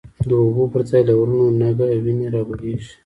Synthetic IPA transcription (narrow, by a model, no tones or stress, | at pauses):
d̪əubopəɾt͡sɑjlawɾunonaɡawineɾɑbaleʒi̥